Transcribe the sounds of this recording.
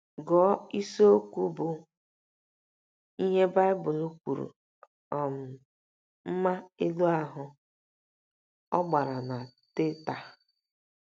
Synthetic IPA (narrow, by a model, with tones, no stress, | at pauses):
ɡɔ˨˦i˦so˦o˦kʷu˦bʊ˨ | i˦ɦe˦ba˦ɪ˦bʊ˨lu˦kʷu˨ɾṵ˨ | ɔ˨m̩˨ | m̩˦ma˦e˦lu˦a˦ɦʊ˨ | ɔ̰˦ɡ͡ba˨ɾa˨na˨tɪ˦ta˨